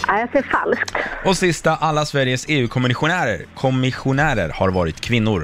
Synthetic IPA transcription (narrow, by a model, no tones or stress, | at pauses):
ʔajaseːɾfa̰lsk̚t̪ɔsɪst̪aʔalːasvæɾjəseːʉ̟ːkʰɔmɪnɧʊnæːɾə̰ɾkʰɔmɪɧʊnæːɾə̰ɾhaɾvɑːɾɪt̪kʰvɪnːʊɾ